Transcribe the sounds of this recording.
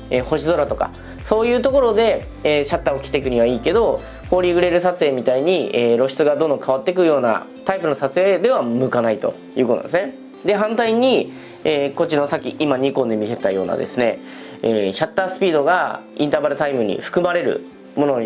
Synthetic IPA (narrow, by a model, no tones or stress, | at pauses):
eho̞ɕizo̞ɾat̪o̞ka̰ | so̞ːjɯ̟ːt̪o̞ko̞ɾo̞d̪e̞ | eːɕat̪ːaokʲi̥t̪e̞kɯ̟ɲ̟iβ̞aiːke̞d̪o̞ | ho̞ːɾʲiɡɯ̟ɾe̞ɾɯ̟sat͡sɨeːmʲit̪aiɲ̟ieːɾo̞ɕi̥t͡sɨɡad̪õ̞nd̪okaβat̪ːe̞k̬ɯ̟jo̞ːna̰t̪aipɯ̟no̞sat͡sɨe̞ːd̪e̞βamɯ̟kanait̪o̞̰ | jɯ̟ːkot̪o̰d̪̰sne | d̪e̞ɦãnt̪aiɲ̟i | eːko̞t͡ɕino̞sakʲːiʔimaɲ̟ikõ̞nd̪e̞mʲit̪e̞t̪ajo̞ːna̰d̪e̞̰sɨne̞ː | çat̪ːaːsɨ̥pʲiːd̪o̞ɡaḭ̃nt̪abaɾɯ̟t̪aimɯ̟ɲ̟ḭɸɯ̥kɯ̟maɾe̞ɾɯ̟̰ | mo̞no̞